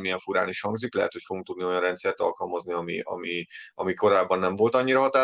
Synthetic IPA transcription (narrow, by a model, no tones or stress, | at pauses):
mijɛɱfuɾa̰ːniʃhɒŋɡziklɛɦɛ̰t̪ho̞cfoɡuŋkt̪ud̪nio̞jɒnrɛnt̪sɛrt̪ɒ̰lkɒlmɒzniɒmḭɒ̰miʔɒ̰miko̞ɾaːbːɒnːɛɱvo̞lt̪ɒɲːiɾɒɦɒt̪aː